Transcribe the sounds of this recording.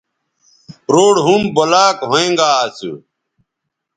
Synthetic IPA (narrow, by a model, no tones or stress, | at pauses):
ɾoːɽɦumbəlaːkɦoẽːŋɡaːsṵ